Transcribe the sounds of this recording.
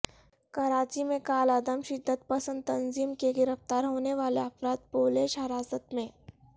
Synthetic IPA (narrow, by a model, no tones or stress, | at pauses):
kɐɾaːt͡ʃimẽkaːləd̪əmʃɪd̪ʱːət̪̚pɐsə̃nd̪̚t̪ɐnziːmkeɡɪɾəft̪aːɾɦoːneʋaːleɐfɾaːd̪̚poːleːʃɦɐɾaːsət̪mẽː